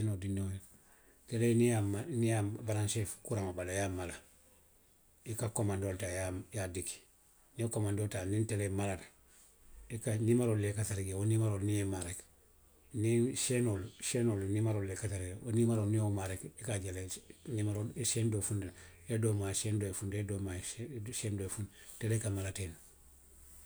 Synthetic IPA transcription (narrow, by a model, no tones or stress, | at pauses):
enodinːoj | telenijamanijabaɾanʃefkuɾamabalajamala | ikakomandoːltajajadiki̥ | niokomandoːltanintelemalada | ikanimaɾolːekataɾiɡewonimaɾoːlnijemaɾek | niʃenolʃenolnimaɾolːekataɾiɡewonimaɾonijomaɾekikaɟelenimaɾolseːndofundedomasendoefundedomaʃendoefun | telekamalaten